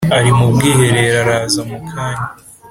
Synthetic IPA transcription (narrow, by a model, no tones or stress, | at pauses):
aɾimubɡiːhe̞ɾe̞ɾaɾaːzamukʰaːɲa